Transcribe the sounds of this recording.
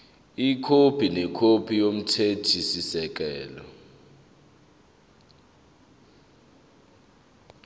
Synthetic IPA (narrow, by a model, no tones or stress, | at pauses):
ikʰopʰinɛkʰopʰijom̩tʰetʰisisɛk̬ɛːlɔ̰